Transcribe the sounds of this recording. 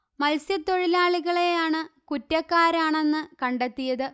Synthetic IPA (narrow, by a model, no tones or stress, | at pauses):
mɐlsjɐt̪ːo̞ɻilaːɭiɣɐɭe̞jaːɳɨkutːɐkːaːɾaːɳe̞nːɨkɐɳɖet̪ːijɐðɨ